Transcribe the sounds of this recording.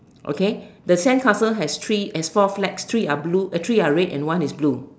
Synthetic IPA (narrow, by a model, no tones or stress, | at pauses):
ʔo̰kedəsɛ̃nkʰasəlɦɛstʰɹiɛsfɔflɛkst̪ʰɹiabluətʰɹiaɹɛtɛ̰̃nwãnisblu